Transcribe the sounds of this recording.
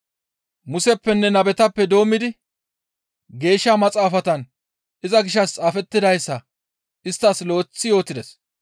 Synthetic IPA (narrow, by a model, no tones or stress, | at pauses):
mʊsɛpːɛnːɛnɐbɛt̪ɐpːɛd̪o̞ːmːɪd̪ɪ | ɡe̞ːʃːamɐt͡sʼaːfɐt̪ɐn | ʔɪzɐɡɪʃɐst͡sʼaːfɛt̪ːɪd̪ɐjsːɐ | ʔɪst̪ːɐslo̞ːt͡sːɪjo̞ːt̪ɪd̪ɛs